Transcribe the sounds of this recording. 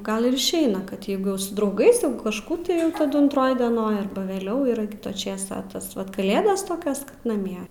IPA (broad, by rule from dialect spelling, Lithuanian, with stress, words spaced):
ˈɡɐlˠ ɪr ɪʃʲˈɛɪnɐ kɐt ˈjɛɪɡʊ jɛʊ sʊ drɐʊˈɡɐɪs jɛʊ kɐʃˈkuː tɐɪ ˈjɛʊ tɐˈdʊ ɐntˈroːj dʲiɛˈnoːj ˈɐrbɐ ʋʲɛˈlʲɛʊ ɪr ˈkʲɪtɐ ˈt͡ʃʲeːsɐ ɐ ˈtɐs ʋɐt kɐˈlʲeːdɐs ˈtoːkʲoːs kɐt nɐˈmʲiɛ